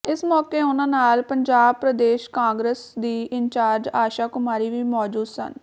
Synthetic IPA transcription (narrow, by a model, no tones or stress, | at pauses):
ɪsmɔːkeːʊnãːnaːlpəɲd͡ʒaːbpɾəd̪eːʃkãːŋɡɾəsd̪iːʔɪɲt͡ʃaːɾd͡ʒaːʃaːkʊmaːɾiːʋiːmɔːd͡ʒuːd̪sə̰n